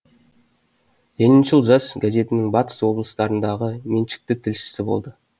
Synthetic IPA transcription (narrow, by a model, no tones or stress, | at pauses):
jenɪnʒəlˠʒɑsɡaze̞t̪ɪnɪŋbɑt̪ə̥swo̞blˠəst̪ɑɾənd̪ɑʁəme̞nʃɪ̥k̚t̪ɪt̪ʰɪlʃɪ̥sɪbo̞lˠd̪ə